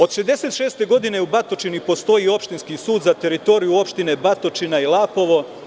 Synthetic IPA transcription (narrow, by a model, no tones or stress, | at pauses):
o̞d̪ʃezd̪e̞se̞t̪ʃe̞ːst̪e̞ɡo̞d̪ine̞ubat̪o̞t͡ʃinipo̞st̪o̞jio̞pʃt̪inskisuːd̪zat̪e̞ɾit̪o̞ɾijuo̞pʃt̪ine̞bat̪o̞t͡ʃinailˠaːpo̞ʋo̞